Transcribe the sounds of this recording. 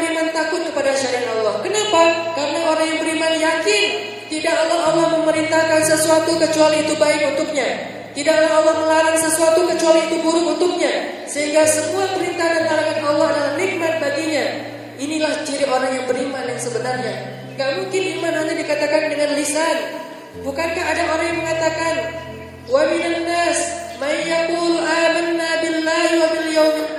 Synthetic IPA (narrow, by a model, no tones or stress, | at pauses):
ɾimant̪akʊt̪̚kəpadaʃaɾaat̪alːɔhkənapa | karənaoɾaŋjaŋbəɾimanjakɪn | t̪idakalːɔhalːɔhməməɾint̪ahkansəsuat̪ukət͡ʃualiːt̪ubaɪk̚unt̪ʊk̚ɲa | t̪idaklaɦalːɔhməlaɾaŋsəsuat̪ukət͡ʃualiːt̪ubuɾʊkunt̪ʊk̚ɲa | səɦiŋɡasəmuapəɾint̪akant̪aɾaŋanalːɔhɦadalahniɡ̚mat̪̚baɡiɲa | inilaht͡ʃiɾɪoɾaŋjaŋbəɾimanjaŋsəbənarɲa | ŋɡaʔmuŋkɪnimanaɲadikat̪akandəŋanlisan | bukankaɦːdaʔoɾaŋjaŋməŋat̪akan | waminanːasmajjakʊlamanːabɪlːahwamɪljawmɪ